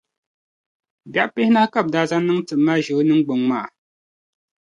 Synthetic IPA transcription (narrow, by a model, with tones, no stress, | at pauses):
bja˨ʔpɛ˦hna˦ka˦˨p̚da˨za˦nɨ˦ŋtɨ˨ma˦ʒə˨˦nɨ˦ŋ˦ɡ͡bo˨ŋmaː˨